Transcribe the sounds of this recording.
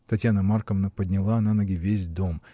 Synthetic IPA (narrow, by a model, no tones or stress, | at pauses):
t̪ɐtʲjanəmarkəvnəpədʲnʲɪlˠananəɡʲɪvʲesʲd̪o̞m